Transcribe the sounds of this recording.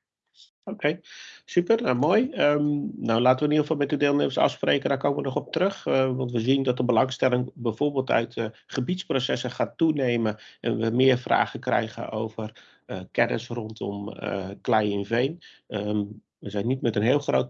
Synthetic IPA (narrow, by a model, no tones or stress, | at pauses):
okʰejsypərnawmoːjəmnawlaːtəʋəɪniəəfɑlˠmɛt̚ədɪːlˠneməsɑ̰fspreːkəndakoːməʋənɔχɔp̚tərøχʋɑntʋəzindɔt̚dəbəlɑŋstɛlɪŋbɛjv̥oːrbɪːlˠtœ̰ɥtχəbitsprosɛsəχaːtuneːməʔɛ̰nʋəmɪːərfra̰ːɣəkrɛ̰jɣə̰nʔo̰wvər | kɛdə̰srɔntʰɔ̰mə̰klɛjɪnvejn | ə | ʋəzɛjnːitmɛtənɦɪːlˠxroːt